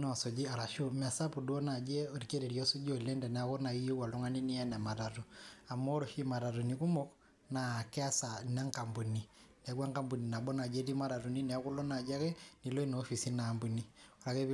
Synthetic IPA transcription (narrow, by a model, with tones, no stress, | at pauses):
nɔ˨so˨d͡ʒi˦a˨ɾa˨ʃo˦m˨a˨sa˦pu˨dwo˦na˨d͡ʒɛ˦o˨ɾi˨ke˦ɾe˨ɾjo˦su˦d͡ʒo˨le˦ndɛ˨nɛ˨a˦ko˦na˨i˦jo˦wa˨lo˦ŋa˦ni˦ni˦ɛ˦na˨ma˨ta˨to˨a˨mo˦ɾo˨ʃi˦ma˨ɾa˨tu˨ni˨ku˦mɔ˦k | na˨kɛ˦a˦sa˨na˦ŋka˨mbu˨ni˨nɛ˨˦ɡwa˦ŋka˦mbu˨ni˨na˨bɔ˦na˨d͡ʒe˦ti˦ma˦ɾa˨ɾu˨ni˦nɛ˨a˦ku˦lo˦na˨d͡ʒa˦ke˦ni˨lo˦i˦noː˨˦fi˨si˦na˨mbu˨ni˨o˨ɾa˨ke˦β